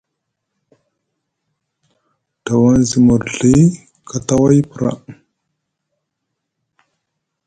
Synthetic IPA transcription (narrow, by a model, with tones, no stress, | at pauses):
ta˨wa˦nzi˨mu˨ɾɮi˦ | kʰa˨ta˦wa˦jpə˨ɾa̰˨